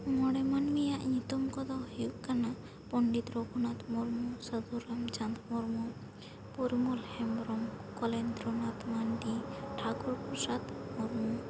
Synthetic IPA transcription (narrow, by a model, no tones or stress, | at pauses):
mɔɽɛmanmijaʔɲĩt̪umkɔd̪ɔhiuʔkana | pɔɳɖit̪ɾɔkɔnat̪mɔɾmusəd̪uɾɛmt͡ʃãnd̪mɔɾmɔ | puɾimɔlhɛmɾɔmkɔlɛnd̪ɾɔnat̪manɖiʈʰakuɾpuɾsat̪mɔɾmu